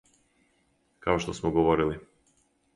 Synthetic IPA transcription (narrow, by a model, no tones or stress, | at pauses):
kaɔʃt̪ɔsmɔɡɔvɔɾili